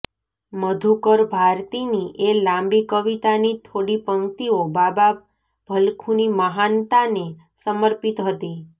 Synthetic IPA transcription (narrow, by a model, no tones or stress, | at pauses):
məd̪ʱukəɾbʱaɾt̪iniʔelãmbikəʋit̪anit̪ʰoɽipəŋt̪iobaba | bʱəlkʰuniməɦant̪ane | səməɾpit̪ɦət̪i